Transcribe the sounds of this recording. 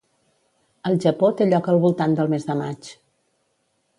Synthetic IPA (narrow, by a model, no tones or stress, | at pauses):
əlˠʒəpot̪eʎɔkəlˠβulˠt̪and̪əlˠmezðəmat͡ʃ